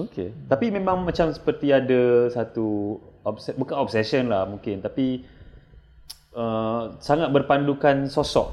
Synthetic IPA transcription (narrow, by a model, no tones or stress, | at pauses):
oket̪apimẽmãŋmãt͡ʃamsə̥pərt̪iadasat̪uɔp̚sɛbukanɔp̚sɛsənlahmũŋkɪnt̪api | əsaŋat̪̚bərpandukansosɔʔ̚